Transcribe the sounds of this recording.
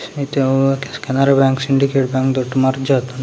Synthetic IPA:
it̪ekskɛnaɾabɛŋksiɳɖikeʈbɛŋkd̪oʈːmaɾd͡ʒat̪on

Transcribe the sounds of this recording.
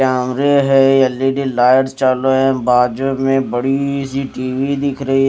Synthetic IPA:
aːmɾeɦɛɐlːiɖilaːɪəʈst͡ʃaːloɦɛ̃baːd͡ʒomẽbəɽisiʈiːʋid̪ɪkʰɾɐi

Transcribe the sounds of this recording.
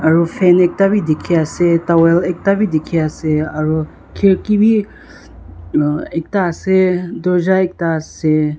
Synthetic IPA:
ɐɾufenek̚t̪abid̪ikʰiaset̪awelek̚t̪abid̪ikʰiaseɐɾu | kʰekibi | ek̚t̪ased̪od͡ʒaek̚t̪ase

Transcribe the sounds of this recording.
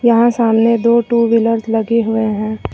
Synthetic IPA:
jɐɦãsaːmned̪oːʈuːʋɪləɾzlɐɡeɦʊeɦɛ̃ː

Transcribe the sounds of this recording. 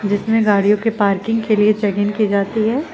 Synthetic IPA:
d͡ʒɪsmẽɡaːɽijõkepaːɾkɪ̃ŋɡ̚keliet͡ʃɛɡɪnkid͡ʒaːt̪iɦɛː

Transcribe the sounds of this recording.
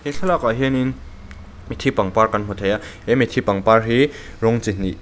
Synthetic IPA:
heɬʰalakaɦinin | mitʰipaŋpaɾkanɦɔtʰaja | emitʰipaŋpaɹɦi | ɾɔŋt͡sini

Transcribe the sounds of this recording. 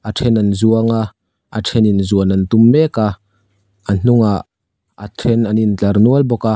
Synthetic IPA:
ʔatʰɛnɐnzuəŋa | atʰɛninzuənɐnt̪umːɛka | an̥uŋa | atʰɛnɐnint͡ɬɐrnuəlbɔka

